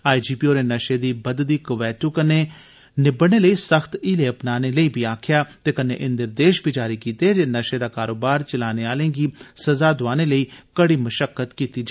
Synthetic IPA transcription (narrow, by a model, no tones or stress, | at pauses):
aːid͡ʒiːpiːoːɾeːnəʃeːd̪iːbəd̪d̪iːkəʋɛːt̪uːkəneː | nɪbəɽneːləiːsəxt̪ileːəpnaːneːləiːbʱiːaːkʰjaːt̪eːkənḛ̃ːʔɪnd̪ɪɾd̪eːʃbʱiːd͡ʒaːɾiːkiːt̪eːd͡ʒeːnəʃeːd̪aːkaːɾoːbaːɾt͡ʃəlaːneːaːlẽːɡiːsəzaːd̪ʊaːneːləiːkəɽiːməʃəkːət̪kiːt̪iːd͡ʒ